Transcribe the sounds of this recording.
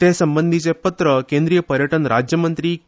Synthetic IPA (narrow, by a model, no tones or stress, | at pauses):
t̪esəmbənd̪ʱit͡sepət̪ɾəkẽnd̪ɾijəpəɾjəʈənɾad͡ʑjəmənt̪ɾiː